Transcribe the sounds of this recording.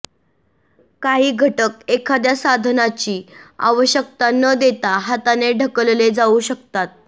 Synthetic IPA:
kaɦiːɡʱəʈək̚ekʰad̪jasad̪ʱnat͡ɕiːa̰ʋəɕjək̚t̪anəd̪et̪aɦat̪aneɖʱəkəlled͡zauɕəkt̪at̪̚

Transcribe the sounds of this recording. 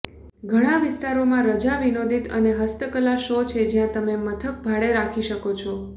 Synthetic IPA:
ɡʱəɽ̃ãʋɪst̪aɾomãɾəd͡ʒaʋinod̪it̪ə̰neɦəst̪əkəlaʃot͡ʃʰed͡ʒjãt̪əmemət̪ʰək̚bʱaɭeɾakʰiʃəkot͡ʃʰɔ

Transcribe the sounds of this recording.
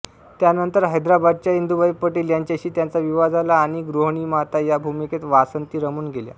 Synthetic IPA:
t̪janənt̪əɾɦəjd̪ɾabad̪̚t͡ɕaind̪ubajpəʈiːljaɲt͡ɕaɕiːt̪jant͡saʋiʋad͡zalaːɽ̃iɡɾoɦɳ̃iːmat̪ajabʱumiket̪ʋasənt̪iːɾəmuːnɡelja̰

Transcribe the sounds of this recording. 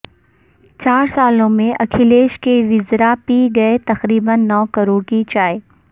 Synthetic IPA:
t͡ɕaːɾsaːlõmẽʔɐkʰɪleːʃkeʋɪzɾapiɡɐet̪ɐxɾiːbənːɔːkɐɾoːɽkit͡ʃaːe

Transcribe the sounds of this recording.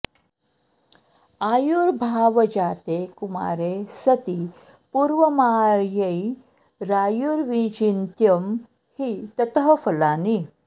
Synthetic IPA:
ajuɾbʱaʋəd͡ʑat̪ekuma̰ːɾesət̪iː | puːɾʋəmaɾjəi | ɾaːjuɾʋĩt͡ɕint̪jəm | hiːt̪ət̪ɦəfəlaːni

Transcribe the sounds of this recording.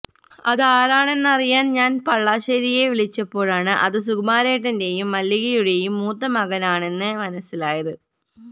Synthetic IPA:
ɐðaːɾaːɳe̞nːɨɐrijaːnɲaːnpɐɭːaːɕɐɾije̞ʋiɭit͡ɕːɐpːo̞ːɻaːɳɨʔɐ̰ðɨsuɡɐmaːɾeːʈːɐnde̞jumːɐlːiɣɐjuɽe̞jumːuːt̪ːɐmɐɣɐnaːɳe̞nːɨmɐnɐsːilaːjɐðɨ

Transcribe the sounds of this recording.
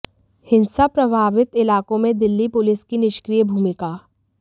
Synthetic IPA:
hɪ̃nsapɾɐbʱaːʋɪt̪ɪlaːkõmẽd̪ɪlːipʊlɪskinɪʃkɾiːjəbʱuːmɪkaː

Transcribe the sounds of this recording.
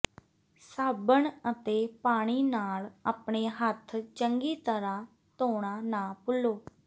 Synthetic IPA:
saːbəɳət̪eːpaːɽ̃iːnaːlaːpɳ̃eːɦət̪ʰt͡ʃəŋɡiːt̪əɾãː | t̪oːɽ̃ãːnãːpʊloː

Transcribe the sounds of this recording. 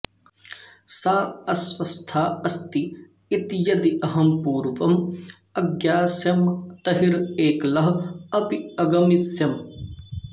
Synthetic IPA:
saːɐswɐst̪ʰaːɐst̪i | it̪jɐd̪iʔɐɦɐmpuːɾʋɐmɐɡjaːsjɐmt̪ɐɦiɾeːklɐɦɐpiɐɡɐmisjɐm

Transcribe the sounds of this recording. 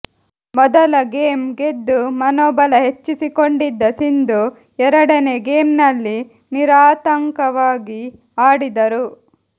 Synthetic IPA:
mɔd̪ɐlɐɡe̞ːmɡe̞d̪ːumɐnoːbɐlɐɦe̞t͡ʃːisikoɳɖid̪ːɐsind̪u | ɛɾɐɽɐne̞ɡe̞ːmnɐlːi | niɾaːt̪ɐŋkɐʋaːɡi | aːɽid̪ɐɾu

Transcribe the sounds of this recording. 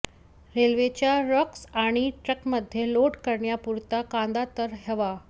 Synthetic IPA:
ɾelʋet͡ɕjaɾɔksaɽ̃iʈɾəkməd̪ʱːjeloʈkəɾɳjapuɾt̪akãnd̪at̪əɾɦeʋa

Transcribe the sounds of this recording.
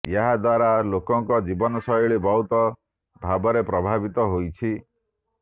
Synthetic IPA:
jaɦad̪waɾalokɔŋkɔd͡ʒibɔnɔsɔjɔɭebɔwt̪ɔ | bʱabɔɾepɾɔbʱabit̪ɔɦojt͡ʃʰi

